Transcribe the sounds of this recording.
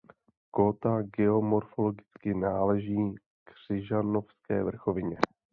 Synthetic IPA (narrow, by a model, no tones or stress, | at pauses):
kot̪aɡɛo̞mo̞ɾfolo̞ɡɪt͡skɪnaːlɛʒiː | kr̝̥ɪʒano̞fskɛ̰ːvr̩xo̞vɪɲɛ